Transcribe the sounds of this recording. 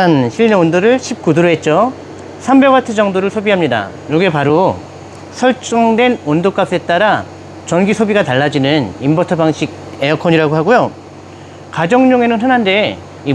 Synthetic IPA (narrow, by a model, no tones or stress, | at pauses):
anɕʰiɭɲeondoɾɯɭɕʰip̚k͈udoɾoɦe̞t̚t͡ɕ͈o | sʰambeɡwatʰɯd͡ʑʌŋdoɾɯɭsʰobiɦamɲida̰ | joɡe̞paɾo | sʰʌɭt͡ɕ͈ʌŋdwe̞nondok͈ap̚s͈ʰet͈aɾa | t͡ɕʌnɡisʰobiɡataɭːad͡ʑinɯnimbʌtʰʌbaŋɕʰiɡ̚ | e̞ʌkʰʌɲiɾaɡoɦaɡojo | kad͡ʑʌŋɲoŋe̞nɯnɦɯnɦande̞ | i